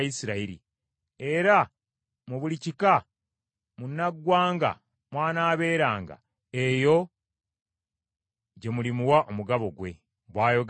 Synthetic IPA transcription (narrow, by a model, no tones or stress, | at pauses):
isiɾaiɾḭ | e̞ɾa | muβulicika | munːaɡwaːŋɡa̰ | mwaːnaːβe̞ːɾaːŋɡa̰ | e̞jo̞ | ɟe̞mulimuwaʔomuɡaβo̞ɡwe̞̰ | βwaːjo̞ɡ